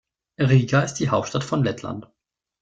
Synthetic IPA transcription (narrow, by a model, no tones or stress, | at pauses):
ʁiːɡaɪst̚d̥iːɦaʊp̚tʃtatfɔnlɛtʰla̰nt